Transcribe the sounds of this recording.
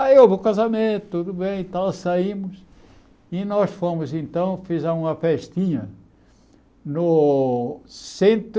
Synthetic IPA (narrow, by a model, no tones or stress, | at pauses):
aovʊkazɐmẽnt̪ʊt̪ud̪ʊbẽj̃t̪awsaimʊs | inɔsfõmʊzẽnt̪ɐ̃w̃fizɛɾũmɐfɛʃt̪ĩɲɐ | nʊ | sẽnt̪